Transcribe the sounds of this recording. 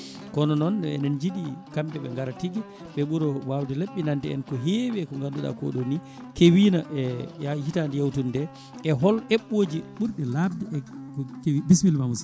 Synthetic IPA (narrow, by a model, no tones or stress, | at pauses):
kɔnɔnɔnɛ̰nɛnd͡ʒiɗikambɛɓɛŋɡaɾatiɡi | ɓɛɓuɾɔwawdileɓːinandɛɛ̰nkɔɦewɛkɔŋɡanduɗa̰kɔ̰ɗoni | kewinaʔɛjahitandijawtundɛ | ʔɛɦɔlʔɛɓːoːd͡ʒiɓuɾɗɛlabdiɛkɔkewibiswilmamus